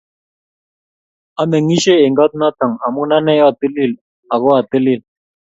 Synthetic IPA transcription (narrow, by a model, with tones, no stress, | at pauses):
a˦me˨ŋi˦ʃe˦e˨ŋɡɔ˦t̪̚na˦t̪a˨ŋa˨mu˦na˦nɛ˦jɔ˦˨t̪ə˦li˦˨l | a˨ɣo˦a˨t̪ə˦li˦˨l